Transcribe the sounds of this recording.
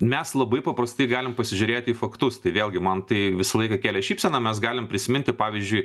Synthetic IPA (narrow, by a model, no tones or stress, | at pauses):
mʲɛslˠɐbɐɪpɐpɾɐst̪ɐɪɡɑːlʲɪmpɐsʲɪʒʲʊɾʲeːt̪ʲiːfɐkt̪ʊst̪ɐɪʋʲeːlʲˠɡʲɪmɐnt̪ɐɪʋʲɪsɐlˠɐɪkɐkʲæːlʲɛʃʲiːpʲsʲɛnɐmʲɛs̬ɡɑːlʲɪmpʲɾʲɪsʲɪmʲɪnʲt̪ʲɪpɑːʋʲizʲd͡ʒʲʊɪ